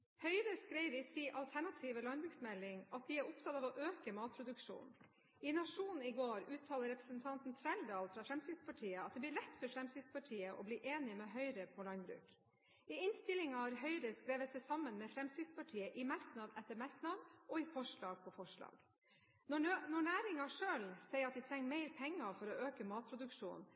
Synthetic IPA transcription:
hœʏɾəskɾeɪʋɪsiːʔɑlt̪ʰæɳɑt̪ʰiːʋəlɑnbɾʉːksmɛlːɪŋɑt̪̚d̪ɪæɾʊp̚t̪ʰɑt̪ɑːʋɔʔøːkəmɑːt̪̚pʰɾʊd̪ʉkʂṵːn | ɪnɑʂuːnn̩ɪɡoːɾʉːt̪ʰɑːləɾɛpɾəsənt̪ʰɑnt̪n̩t̪ʰɾæld̪ɑːlfɾɑfɾɛmst̪ɪd̪spʰɑʈʰiːəɑt̪̚d̪ɛb̪ɪɭɛt̪ːfɔɾfɾɛmst̪ɪd̪spɑʈʰiːəʔɔ̰bliːʔeːnɪmeːɦœʏɾəpʰɔlɑnbɾʉ̰ːk | ɪɪnst̪ɪlɪŋɑɾɦœʏɾəskɾeːʋət̪sɛɪsɑmənmɛfɾɛmst̪ɪd̪spɑʈʰiːəʔɪmɑɾknɑd̪ɛt̪ːəɾmɑɾknɑd̪ʔɔɪfɔʂɭɑːɡ̚pʰɔfɔʂɭɑ̰ːɡ̥ | ɔnɔɳæːɾɪŋɑʂøːlsɛɪəɾɑt̪̚d̪ɛt̪ʰɾɛŋːmeɪɾpʰɛŋːəfɔɾɔøːkəmɑːt̪̚pʰɾʊd̪ʉkʂṵːn

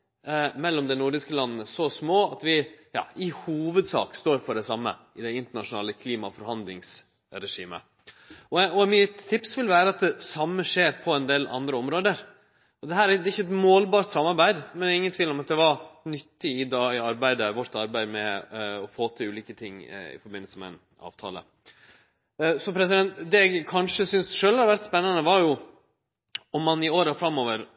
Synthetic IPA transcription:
mɛlːɔmd̪ɛnʊɾɖ̪ɪskəlɑnːnəsɔsmoːɑt̪ʋɪjɑ̰ːɪhuːʋəd̪sɑ̰ːkst̪oːɾfɔɖɛsɑmːə̰ | ɪd̪ɛɪnt̪əɳɑʂʊnɑːləkʰliːmɑfɔɾhɑnd̪lɪ̰ŋs | ɾɛʂḭːmə̰ | ɔɔmiːət̪ʰɪpsʋɪlʋæːɾəɑt̪̚d̪ɛsɑmːəʂeːɾpʰɔɛnd̪eːlʔɑ̰nd̪ɾəɔmɾoːd̪əɾ | ɔd̪ɛɦæːɾd̪ɛɪçːəɛt̪moːlbɑːɾt̪sɑmːɑɾbæɪd̪mɛnɛɪŋːənt̪ʰʋiːlɔmɑt̪̚d̪ɛʋɑɾnʏt̪ːɪɪd̪ɑːɪɑɾbæɪd̪əʋɔɾt̪ɑɾbæɪd̪mɛɔfoːt̪ʰɪlʉːliːkət̪ʰɪŋːɪ̰fɔɾbɪnːəlsəmɛ̰ɪ̰n | ɑ̰ːʋt̪ʰɑ̰ːlə̰ | sɔpʰɾɛs̬ɪd̪ɛnt̪d̪ɛɛɡkʰɑnʂəsʏnsʂøːlhɑɾɛʋæɾt̪spɛnːənəʋɑɾjʊ | ɔmːɑnɪoːɾəfɾɑmːoːʋəɾ

